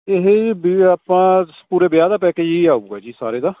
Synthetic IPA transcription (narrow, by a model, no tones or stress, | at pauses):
eɦebaːpãːpuːɾeːbɪjaːd̪aːpɛːkeːjiaːuuːɛːd͡ʒiːsa̰ːɾeːd̪aː